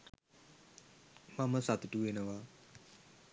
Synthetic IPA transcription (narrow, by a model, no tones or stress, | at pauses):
maməsat̪utuenawa